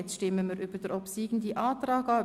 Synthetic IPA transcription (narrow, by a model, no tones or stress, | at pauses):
ɛt͡sʃtɪməmiːɾʔyb̥əd̥əɾɔpsiːɡn̩d̪iʔɑːtɾɑːɡɑ